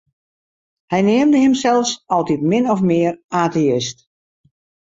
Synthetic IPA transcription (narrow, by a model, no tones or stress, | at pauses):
hɛjnɪːəmdəɦɪmsɛlˠfsɔlˠtitmɪnɔfmɪːəraːteɪst